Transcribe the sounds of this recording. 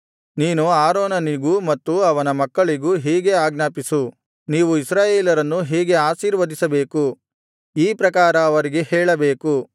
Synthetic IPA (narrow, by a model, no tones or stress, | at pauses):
niːnuaːɾoːnɐniɡumɐt̪ːuɐʋɐnɐmɐkːɐɭiɡuɦiːɡe̞aːɡnaːpisu | niːʋuisɾaːjeːlɐɾɐnːuɦiːɡe̞aːʃiːɾʋɐd̪isɐbe̞ːku | iːpɾɐkaːɾɐːʋɐɾiɡehɛːɭɐbeːku